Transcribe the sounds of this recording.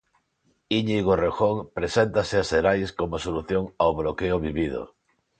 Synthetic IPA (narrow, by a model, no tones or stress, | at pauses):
iɲiɣorexoŋpɾesent̪aseaseɾajskomosoluθjoŋawβɾokeoβiβið̞o̰